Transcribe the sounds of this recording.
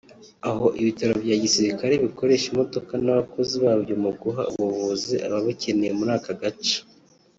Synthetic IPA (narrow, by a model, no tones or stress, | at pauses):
aɦo̞ʔiβitaɾo̞bjaːɟisiɾikaɾe̞βiko̞ɾe̞ːʃimo̞do̞kanaβako̞ziβaːbjomuɡuɦa̰ṵβuvuzeʔa̰βaβace̞nejemuɾaːkaɡat͡ʃḁ